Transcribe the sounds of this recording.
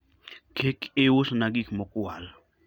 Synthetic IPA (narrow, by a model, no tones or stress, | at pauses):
kʰekewosnaɡikmokual